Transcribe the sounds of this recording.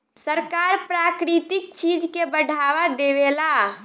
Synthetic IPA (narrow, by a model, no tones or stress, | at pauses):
səɾkaɾpɾakɾit̪ik̚t͡ʃid͡ʒkebəɽʱaʋad̪ebela